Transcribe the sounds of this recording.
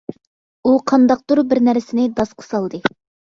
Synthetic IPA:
uqʰɑnd̪ɑq̚t̪uɾbɪɾnæɾɪsɪnɪd̪ɑsqʰə̥sɑlˠd̪ɨ

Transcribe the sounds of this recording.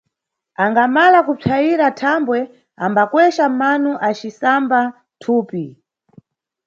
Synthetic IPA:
aŋɡamalakup͡ʂʰajiɾatʰambwɛ | ambakwɛʃamanuʔat͡ʃisamba | tʰuːpi

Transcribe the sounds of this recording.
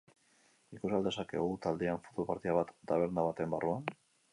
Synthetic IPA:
ikusald̪e̞sake̞̰ɣut̪ald̪eaɱfot̪ulpaɾt̪iaβat̪d̪aβeɾnaβat̪e̞mbaruan

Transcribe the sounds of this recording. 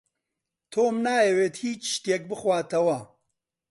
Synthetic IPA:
t̪ʰoːmnaːeweːt̪hiːt͡ʃʃt̪jek̚bɨxwaːt̪ʰɐwɐ

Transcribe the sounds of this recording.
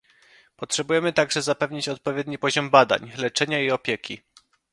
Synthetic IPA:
pɔtʂɛbujɛmɘt̪aɡʐɛzapɛvɲit͡ɕɔt̪̚pɔvʲjɛd̪ɲipɔʑɔmbad̪a̰ɲlɛt͡ʂɛɲaiɔpʲjɛkʲʰi

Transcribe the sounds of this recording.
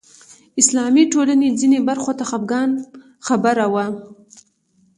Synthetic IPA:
ɪslɑmiʈolaned͡zinebaɾxot̪axab̚ɡɑn | xabaɾawa

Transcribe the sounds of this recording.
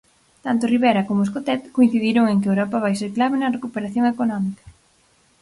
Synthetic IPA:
t̪ant̪ʊriβɛɾɐkomʊeskot̪ɛt̪koin̟θiðiɾoŋeŋkɪewɾɔpɐβajseɾklaβɪnɐrekupeɾaθjoŋekonɔmikɐ̥

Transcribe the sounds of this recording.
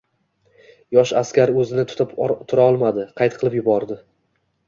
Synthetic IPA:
jɒʃaskʲaɾɵzɪnɪt̪ʰʊ̥t̪ʰɪpt̪ʰʊɾaɒlˠmad̪ɪqʰɑjt̪̚qʰɨlˠɪpjʊbɒɾd̪ɪ

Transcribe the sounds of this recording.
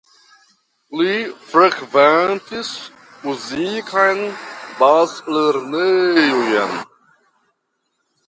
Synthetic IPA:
lifɾəkvant̪ʰis | uziːkʰajnbaːsləɾnəjuja̰n

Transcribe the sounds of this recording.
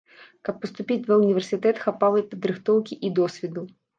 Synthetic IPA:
kɐpːɐst̪upʲit͡s̪ʲvɐunʲivʲɛrsʲɨt̪ɛt̪xapalˠɐjpɐd̪ɾɨxt̪ɔwkʲiʔid̪ɔsʲvʲɛd̪u

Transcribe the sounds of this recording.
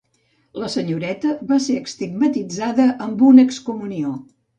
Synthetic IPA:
ləsəɲuɾɛt̪əβaseəkst̪iɡ̚mət̪id͡zaðəʔəmbunəkskumunio

